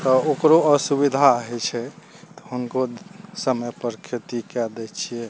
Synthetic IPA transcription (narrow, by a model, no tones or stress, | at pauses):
t̪ɔokɾoəsubid̪ʱaəɦɛt͡ʃʰɛ | t̪ɔ̥ɦunkosəmepəɾkʰit̪ikɛd̪ɛt͡ʃʰijɛ